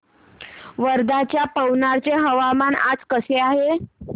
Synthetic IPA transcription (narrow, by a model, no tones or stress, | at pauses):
ʋəɾd̪at͡ɕjapəwnaɾt͡ɕeɦəʋamana̰d͡zkəseaɦe